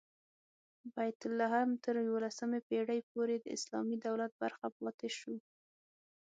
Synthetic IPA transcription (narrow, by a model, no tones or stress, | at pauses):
bajt̪ʊlːaɦamt̪əɾjwolasəmepeɽəjpoɾed̪əɪ̰slɑ̰mid̪awlat̪̚ba̰ɾxapɑt̪eʃu